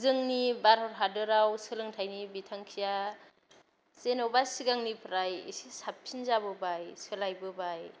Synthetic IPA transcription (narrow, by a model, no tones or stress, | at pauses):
zɯŋnibaɾɔɾɦadɯɾawsɯlɯŋtʰajnibitʰaŋkʰija | senɔbasiɡaŋnipʰɾajḭsisap̚pʰinzabɯbajsɯlajbɯbaj